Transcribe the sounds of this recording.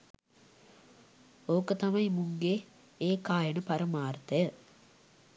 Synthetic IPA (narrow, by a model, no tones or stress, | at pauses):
oːkət̪ɐmɐimuŋɡe | eːkaːjənəpaɾəmaːrt̪əjə